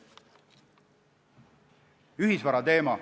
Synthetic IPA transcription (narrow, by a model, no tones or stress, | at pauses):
yɦisvɑɾɑt̪e̞ːmɑ